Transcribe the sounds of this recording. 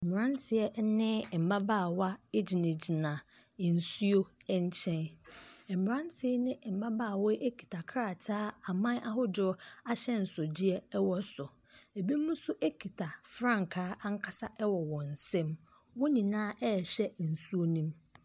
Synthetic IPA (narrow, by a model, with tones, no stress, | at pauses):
m̩˨m˨ɾã˦n˦tʰɪ˨ɛ˦nɪ̃˦˨m̩˨ba˦ba˦˨wa˦e˦d͡ʑi˨nẽ˨d͡ʑi˨nã˨ | n̩˨su˦o˦ɛ˦ɲ˦t͡ɕʰɛ̃˦n˨m̩˨m˨ɾã˦ntʰɪ˦nɪ̃˦˨m̩˨ba˦baː˦˨wɔ˦ʔe˦kʰi̥˨tʰa˨kʰɾa˨tʰaː˦a˨mã˦ʔa˦ɦʊ˦dʊ˨ʊ˦a˦ɕɛ˦n̩˨sʊ˨d͡ʑi˦ɛ˦wɔ˦sʊ˨ | e˨bi˦mũ˦sʊ˦ʔe˦kʰi˨tʰa˨fɾã˦ŋ˨kʰaː˦ʔa˦ŋ̩˦kʰa˦sa˦ʔɛ˦wɔ˨wɔ̃˨n̩˨sɛ̃˦m | wʊ˦ɲĩ˨nãː˦ʔɛ˦˨ɕɛ˦˨n̩˨su˦o˦nĩ˦m